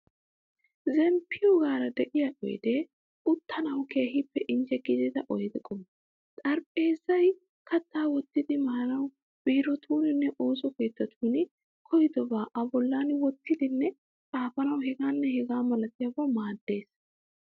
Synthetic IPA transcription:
zɛmpʰːɪjɔɡaːɾɐd̪ɛʔɪjaʔɔ̰jd̪ɛ | ʊt̪ʰːɐnɐwkeːhɪpːɛʔɪnd͡ʒɛɡɪd̪ɛt̪ɐʔɔjd̪ɛkʼɔm | t̪ʼɐɾpʼe̞ːzɐj | kʰɐt̪ʰːaːwɔt̪ːɪd̪ɪmɐhɐnɐw | b̥ɪːɾɔt̪ʰuːnɪnːɛʔoːsɔkeːt̪ːɐt̪ʰuːnɪ | kʰɔjɪd̪ɔbaːʔɐbɔlːaːnwɔt̪ːɪd̪ɪnːɛ | t͡sʼaːfɐnɐwhɛɡaːnːɛhɛɡaːmɐlɐt̪ːɪjɐbɐmaːd̪ːe̞ːs

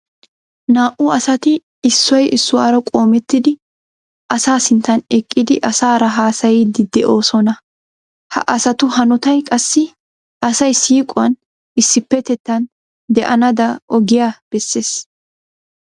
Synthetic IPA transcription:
naːʔʊɐsɐt̪ɪː | sːɔjʔɪsːʊwaːɾɐkʼo̞ːmɛt̪ːɪd̪ɪ | ʔɐsaːsɪnt̪ːɐnɛkʼːɪd̪ɪʔɐsaːɾɐɦaːsɐjid̪ɪd̪ɛʔo̞ːsɔnɐ | hɐ̰ʔɐsɐt̪ʊɦɐnɔt̪ɐjkʼɐsːɪ | ʔɐsɐjsiːkʼːʊwɐn | ɪsːɪpːɛt̪ɛt̪ːɐn | d̪ɛʔɐnɐd̪ɐʔɔɡɪjaːb̥ɛsːe̞ːs

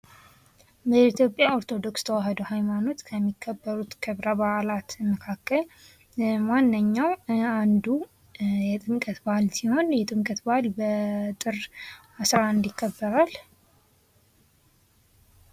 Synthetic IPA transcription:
bəit̪ʰjo̞pʼjao̞ɾt̪ʰo̞d̪o̞kst̪ʰəwaɦəd̪əhajmano̞t̪kʰəmːikʰːəbːəɾut̪kʰɨβɾaβaʔlat̪məkʰakːəl | manːɨɲːawand̪u | jɛt̪ʼɨmkʼət̪balsiho̞njɛt̪ʼɨmkʼət̪balbət̪ʼɨr | asɾaɨnd̪ikʰːəbːəɾal

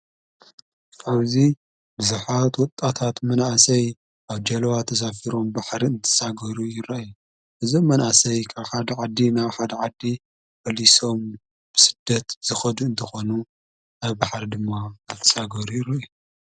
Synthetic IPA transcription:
kʰaβzi | bɨzuħat̪wɔt̪ʼːat̪ʰat̪mɐnʔasɐj | ʔaβd͡ʒɐlɐwat̪ʰɐs̬afiɾo̞mbaħɾiɨnt̪ʰɨ̥saɡɐɾujɪɾaʔju | ʔɨzo̞mːɐnʔasɐjkʰaβħad̪ɐʕad̪ːinaβħad̪ɐʕad̪ːi | bɐliso̞m | b̥ɨsɨ̥d̪ːɐt̪z̥ɨxɐd̪uɨnt̪ʰɐxo̞nu | aβbaħɾid̪ɨmːaːt̪ʰɐ̥saɡɐɾujɪɾɐju

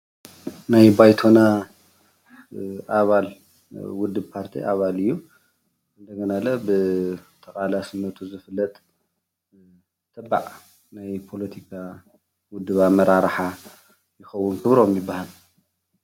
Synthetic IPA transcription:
najbajt̪ʰo̞na | ʔaβal | wʊd̪ːɨbpʰaɾt̪ʰḭʔaβalɨjːu | ɨnd̪ɐɡɐnalɐbɨt̪ʰɐkʼalasɨmːɐt̪ʰuzɨfɨlːɐt̪ʼ | t̪ʰɐbːa̰ʕ | najpʰo̞lɐt̪ʰikʰa | wʊd̪ːɨβamɐɾaɾħa | jɪxɐwːʊnkʰɨβɾo̞mjɪbːahal

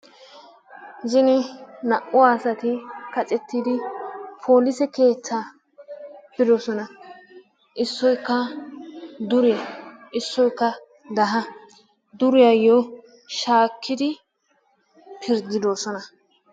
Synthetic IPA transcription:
zɪnɪnɐʔʊaːsɐt̪ɪkɐt͡sʼɛt̪ːɪd̪ɪpʰo̞ːlɪsɛke̞ːt͡sːa | pɪd̪ɔsɔnɐ | ʔɪsːɔjkːɐ | d̪ʊɾɛɪsːɔjkːɐ | d̪ɐɦɐ | d̪ʊɾɪjɐjːɔ | ʃaːkʰːɪd̪ɪ | pʰɪɾd̪ɪd̪o̞ːsɔnɐ

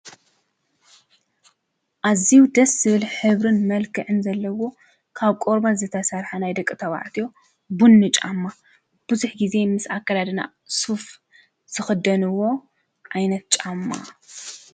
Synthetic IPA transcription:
ʔaziwd̪ɐsːɨβɨlħɨβɾɨnmɐlkʰɨʕɨnzɐlːɐwo̞ | kʰaβkʼoɾbazɨt̪ʰɐsɐɾħanajd̪ɐkʼːɨt̪ʰɐβa̰ʕt̪ʰijo̞ | bunːɨt͡ʃʼamːa | b̥ɨzuħɡize̞mɨsakːɐlad̪ɨna̰ | suf | z̥ɨxɨd̪ɐnɨwːo̞ | ʔajnɐt̪̚t͡ʃʼamːa̰

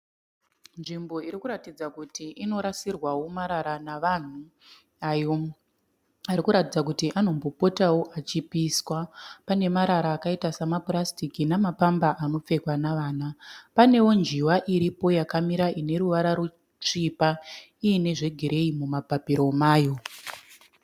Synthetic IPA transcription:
nʐimbo̞iɾikuɾatid͡zakutiʔino̞ɾasirwawo̞maɾaɾanaʋan̤u | ajo̞ | aɾikuɾatid͡zakutiʔano̞mbo̞po̞tawo̞ʔat͡ʃipiswapane̞maɾaɾaːkaitasamaplastikinamapambaʔano̞p͡fe̞kwanaʋaːnapane̞wo̞nd͡ʒiwaʔiɾipo̞jakamiɾaʔine̞ɾuʋaɾaɾu | t͡ʂipa | iːne̞ʐe̞ɡʱeɾe̞imumabʱapiɾo̞maːjo

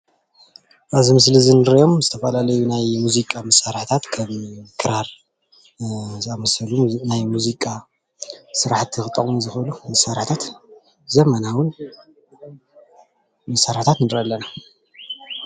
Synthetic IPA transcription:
ʔazimɨslizɨnɨɾjo̞mzɨt̪ʰɐfɐlalɐjunajmuzikʼamɐsaɾaħt̪ʰat̪kʰɐmkʰɨɾaɾ | zɨamɐsɐlunajmuzikʼa | sɨɾaħt̪ʰːɨxɨt̪ʼːɐχʼmuzɨxɨlumɐsaɾħt̪ʰat̪ | zɐmɐnawʊn | mɐsaɾaħt̪ʰat̪nɨdɾɐlːɐna

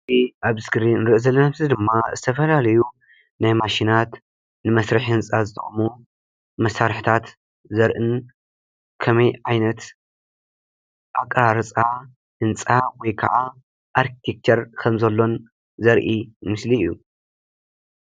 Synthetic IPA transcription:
iʔaβsɡɨɾinɨɾɨʔɨzɐlːɐnamzɨd̪ɨmːazɨt̪ʰɐfɐlalɐju | najmaʃinat̪ | nɨmɐsɾɨħhɨnt͡sʼazɨt̪ʰɐχʼmu | mɐsaɾħt̪ʰat̪ | zɐɾʔɨn | kʰɐmɐjʕajnɐt̪ | ʔakʼɾaɾɐt͡sʼa | hɨnt͡sʼawɔjkʰɐ̰ʔa | ʔaɾkʰi̥t̪ʰek̚t͡ʃ̪ʰɐɾkʰɐmzɐlːo̞n | zɐɾʔimɨsliɨjːṵ

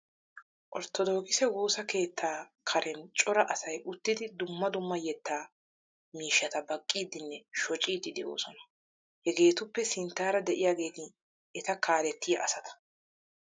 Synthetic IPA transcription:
ʔɔɾt̪ːɔd̪o̞ːkɪsɛɡoːsɐke̞ːt̪ʰːaːkʰɐɾʔɛnt͡ʃʼɔɾɐʔɐsɐjʊt̪ːɪd̪ɪd̪ʊmːɐd̪ʊmːɐjɛt̪ːaː | miːʃːɐt̪ɐbɐkʼːiːd̪ɪnːɛʃɔt͡ʃʼiːd̪ɪd̪ɛʔo̞̰ːsɔnɐ̥ | hɛɡe̞ːt̪ʊpːɛsɪnt̪ːaːɾɐd̪ɛʔɪjaːɡe̞ːt̪ɪ | ɛt̪ɐkʰaːlɛt̪ːɪjɐʔɐsɐt̪ɐ̥

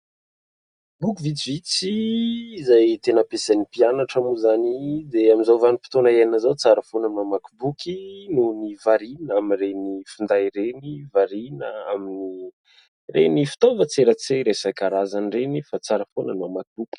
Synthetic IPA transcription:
bukuvit͡sivit͡siː | zajt̪enəpesanipianaʈ͡ʂamuzanid̪eamizawvanipi̥t̪onaenəzawt͡saɾəfonəmamakibukinunivaɾinaminrenifind̪ajɾenivaɾinəamini | renifi̥t̪ovət͡seɾət͡seɾesakaɾazanrenifat͡saɾəfonənmamakibuki̥

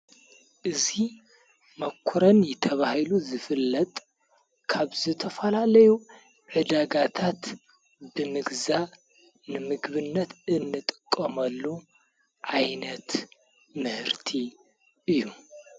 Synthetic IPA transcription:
ʔɨzi | mɐkʰːuɾɐnjɛt̪ʰɐβahɨluzɨfɨlːɐt̪ʼ | kʰaβzɨt̪ʰɐfɐlalɐju | ʕɨd̪aɡat̪ʰat̪ | bɨmɨɡza | nɨmɨɡβɨnːɐt̪ɨnːɨt̪ʼɨkʼːɐmɐlːu | ʕajnɐt̪ | mɨhɨɾt̪ʰi | ɨjːu

